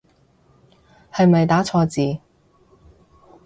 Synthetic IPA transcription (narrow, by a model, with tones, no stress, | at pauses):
hɐ˨jmɐ˨jt̪aː˨˥t͡sʰɔː˧t͡siː˨˧